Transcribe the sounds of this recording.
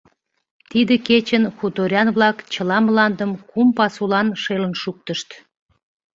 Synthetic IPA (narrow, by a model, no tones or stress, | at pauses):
t̪id̪əket͡ɕənxut̪oɾʲɑnβlɑkt͡ɕəlɑmlɑnd̪əmkumpɑsulɑnʃelənʃuk̚t̪əʃt̪